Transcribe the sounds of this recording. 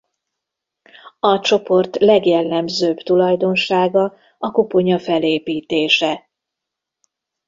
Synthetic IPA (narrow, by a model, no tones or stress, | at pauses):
ɒt͡ʃo̞po̞rt̪lɛɡjɛlːɛmzøːbt̪ulɒjd̪o̞nʃaːɡɒ | ɒkopo̞ɲɒfɛleːpiːt̪eːʃɛ